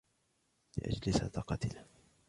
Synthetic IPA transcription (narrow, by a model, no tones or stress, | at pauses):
lɪ̰ʔa̰d͡ʒlɪsa̰t̪ɑqɑt̪ɪl